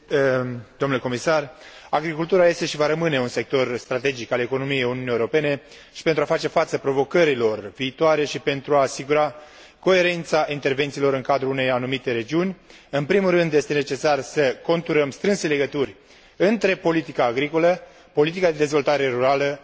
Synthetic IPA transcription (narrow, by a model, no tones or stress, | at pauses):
d̪o̞mnleko̞misaraɡɾikult̪uɾaje̞st̪e̞ʃivaɾəmɨne̞unse̞k̚t̪o̞rst̪ɾat̪e̞d͡ʒikale̞ko̞no̞mije̞juniunijewɾo̞pe̞ne̞ | ʃi̥pe̞nt̪ɾuafat͡ʃe̞fat̪səpɾo̞vo̞kəɾilo̞rviːt̪oaɾe̞ʃipe̞nt̪ɾuaːsiɡuɾa | ko̞e̞ɾe̞nt̪saʔint̪e̞rve̞nt̪silo̞ɾɨŋkad̪ɾuune̞janumit̪e̞ɾe̞d͡ʒiunʲɨnpɾimurɨnd̪je̞st̪e̞ne̞t͡ʃe̞sarsəko̞nt̪uɾəmst̪ɾɨnse̞le̞ɡət̪urʲ | ɨnt̪ɾe̞po̞lit̪ikaːɡɾiko̞lə | po̞lit̪̬ikad̪e̞d̪e̞zvo̞lt̪aɾe̞ɾuɾalə